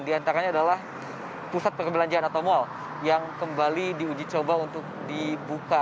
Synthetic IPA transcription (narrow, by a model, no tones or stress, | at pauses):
ndiant̪aɾaɲaːdalah | pusat̪̚pərkəbəlaɲd͡ʒaanat̪amoal | jaŋkəmbalidiud͡ʒit͡ʃobaunt̪ʊk̚dibuka